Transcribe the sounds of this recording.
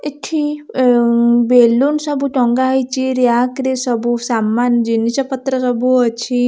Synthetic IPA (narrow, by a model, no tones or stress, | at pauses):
iʈʰi | belunsɐbuʈɔŋɡaɦjt͡ʃiɾjakɾisɔbusamːand͡ʒinit͡ʃapət̪ɾəsɔbuət͡ʃʰi